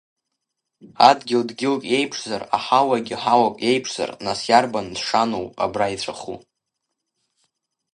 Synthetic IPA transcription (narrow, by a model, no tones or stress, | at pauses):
adɡʲɪldɡʲɪlkʼje̞jpʰʂz̥ara̰ħawaɡʲɪħawakʼje̞jpʰʂz̥a̰rnasjarbandʂanowpʼa̰brait͡sʷʰʼaχṵ